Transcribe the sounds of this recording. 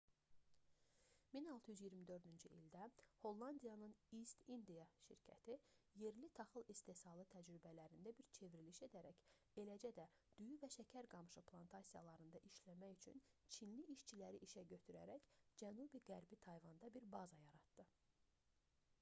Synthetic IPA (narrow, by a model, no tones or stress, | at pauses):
minɑlˠt̪ʰɯjyzjiɾmid̪ø̞ɾd̪ynd͡ʒyʔild̪æho̞lˠːɑnd̪ijɑnɯnist̪ind̪ijɑʃḭɾcʰæ̰t̪ʰije̞ɾlit̪ʰɑχɯlˠist̪e̞sɑlˠɯt̪ʰæd͡ʒɾybælæɾind̪æbiɾt͡ʃʰe̞viɾiliʃe̞d̪æɾæc | e̞læd͡ʒæd̪æ | d̪̥yjyvæʃæcʰæɾɡɑmʃɯpʰlˠɑnt̪ʰɑsijɑ̰lˠɑɾɯnd̪ɑʔiʃlæmæjyt͡ʃʰy̰nt͡ʃʰinliʔiʃt͡ʃʰilæɾiʔiʃæɟø̞t̪ʰyɾæ̰ɾæcd͡ʒænubiɡæɾbit̪ʰɑjvɑnd̪ɑbiɾbɑzɑjɑɾɑt̪d̪̥ɯ